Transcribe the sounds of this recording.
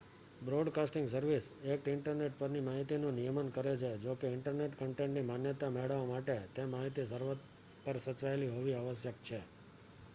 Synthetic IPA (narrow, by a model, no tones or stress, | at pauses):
bɾoɖkasʈɪ̃ŋɡsəɾʋisek̚ʈɪɳʈəɾneʈ̚pəɾnimaɦit̪inũnijəmənkəɾet͡ʃʰed͡ʒokeɪɳʈəɾneʈkəɳʈẽɳʈnimanjət̪ameɭəʋomaʈet̪emaɦit̪isəɾʋət̪ | pəɾsət͡ʃʋaeliɦoʋiaʋəsjək̚t͡ʃʰe